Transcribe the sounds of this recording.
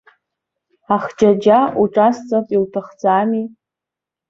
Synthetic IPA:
aχd͡ʒad͡ʒauʈ͡ʂʼast͡sʼatʼiltʰaχd͡zaːmi

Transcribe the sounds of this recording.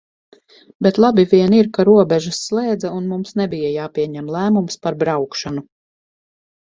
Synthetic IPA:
bet̪lˠabiviɛniɾkaɾuɔbɛʒasːlˠɛːd̪zaunmumsnɛbijajaːpiɛɲæmlˠæːmumspaɾbɾawkʃanu

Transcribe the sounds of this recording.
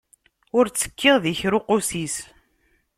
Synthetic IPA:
ʊɾt͡sːə̥kʰːɪʁðiçɾuqusis

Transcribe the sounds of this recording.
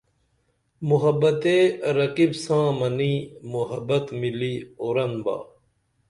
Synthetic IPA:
muɦɐbɐt̪eɾɐkibsãːmɐniːmuɦɐbɐt̪miliːoɾɐnba̰ː

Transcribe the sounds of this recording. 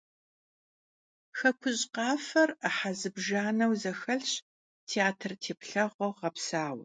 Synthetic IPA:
xɐkʷʰʊɕʼqɑːfɐraħazɨbʒaːnɐwzɐxɐɮɕ | tʰeaːtʰɨrtʰeːpɬɐʁʷɔʁɐpsaːw

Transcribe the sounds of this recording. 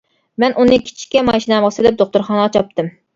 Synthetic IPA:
mɛnʔunɨkʲʰi̥t͡ʃʰi̥kʲɛmɑʃinɛmʁɑsɨlɪp̚d̪oχt̪ʊɾχɑnɨɑt͡ʃʰɑp̚t̪ʰɨm

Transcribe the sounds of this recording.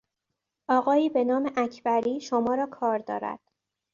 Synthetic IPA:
ʔɒːɣɒːiːbe̞nɒːme̞ʔæcʰbæɾiːʃomɒːɾɒːkʰɒːɾd̪ɒ̰ːɾæ̰d̪̥

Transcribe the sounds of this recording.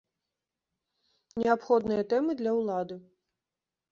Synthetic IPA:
nʲɛapxɔd̪nɨjɐt̪ɛmɨd̪lʲɐwlˠad̪ɨ

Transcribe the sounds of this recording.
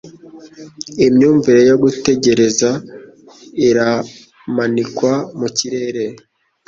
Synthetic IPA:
imɲuːɱviɾo̞jo̞ɡute̞ɟe̞ɾe̞za | iɾa | manikwamuciɾe̞ɾe̞

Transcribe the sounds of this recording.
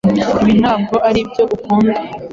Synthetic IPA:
iβin̥haːb̚ɡo̞ʔaɾibjo̞ʔukuːnde

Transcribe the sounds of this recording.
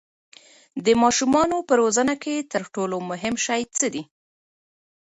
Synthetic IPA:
d̪əmɑʃumɑnopəɾozənaket̪əɾʈolomʊɦɪmʃajt͡səd̪i

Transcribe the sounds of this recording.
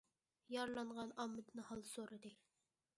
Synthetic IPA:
jɑɾlˠɑɴʁɑnɑmːɨd̪ɨnɨhɑlˠsoɾɨd̪ɨ

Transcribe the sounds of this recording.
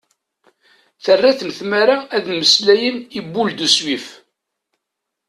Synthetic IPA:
θərːaθənθmaɾaæðməslæjənibːuld̪uswif

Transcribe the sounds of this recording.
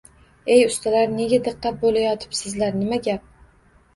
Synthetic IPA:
e̞jʊst̪ʰalaɾne̞ɡʲad̪ɨqːɑt̪̚bolajɒt̪ʰɪ̥psɪzlaɾnɪmaɡʲap̚

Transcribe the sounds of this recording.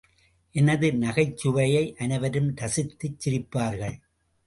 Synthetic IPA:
ʔɛnɐðɯnɐɣɐɪt͡ʃːɯʋɐjɐɪʔɐnɐʋɐɾɯmd̪ɐsɪt̪ːɯt͡ʃːɪɾɪpːaːɾɣɐɭ

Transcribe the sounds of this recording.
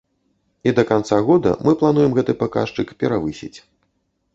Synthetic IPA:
id̪ɐkant̪saɣɔd̪ɐ̰mʔɨplˠan̪ujɛmɣɛt̪ɨpaka̰ʂt͡ʂɨkpʲɛɾavɨsʲḭt͡sʲ

